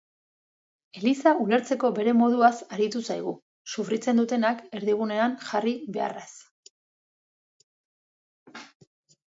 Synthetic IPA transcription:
e̞lisaule̞ɾt͡se̞ko̞be̞ɾe̞mo̞ð̞uasaɾit̪usajɣ̞u | sufɾit͡se̞nd̪ut̪e̞nake̞ɾðiɣ̞une̞anʝariβe̞a̰ras

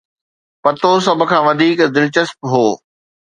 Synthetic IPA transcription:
pɐt̪os̬ɐbʱʊ̆kʰãːʋɐd̪ʱiːkd̪ɪnɪt͡ɕɐspɦoː

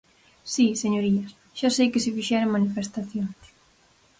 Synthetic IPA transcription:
siseɲoɾiɐs | ʃasejkɪsɪfiʃɛɾoŋmanifest̪aθjons

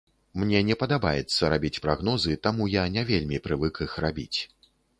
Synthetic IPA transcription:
mnʲɛnʲɛpɐd̪abajɛt̪sːɐɾabʲit͡sʲpɾaɣn̪ɔzɨt̪amujanʲavʲelʲmʲipɾɨvɨkixrabʲit͡sʲ

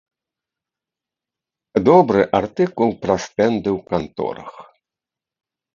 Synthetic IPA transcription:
d̪ɔbɾɨʔart̪ɨkulˠpɾast̪ɛnd̪ɨwkant̪ɔ̰ɾɐ̰x

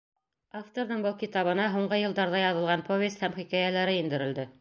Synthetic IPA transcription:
aft̪oɾðɤɴbɤw̪ˠkit̪ɑβɤ̆nɑɦuɴɢɤjɤ̆lˠd̪ɑɾðɑjɑðɤ̆lˠʁɑnpovʲest̪hæmχikæjælæɾɘind̪ɘ̆ɾɘ̆ld̪ɘ

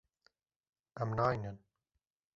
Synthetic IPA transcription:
æmnaːjnən

